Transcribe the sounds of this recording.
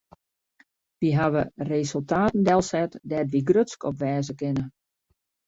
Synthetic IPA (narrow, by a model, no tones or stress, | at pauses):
ʋiɦaʋəresølˠtaːtən̩dɛlˠsɛtdɛtʋiɡrøskɔpʋɛːzəkɪnə